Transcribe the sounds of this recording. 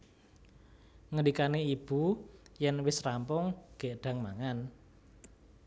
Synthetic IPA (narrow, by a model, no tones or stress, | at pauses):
ŋəlikaneib̥ujɛnwɪsrampʊŋɡ̥e̤ʔɖ̥ä̤ŋma̰ŋan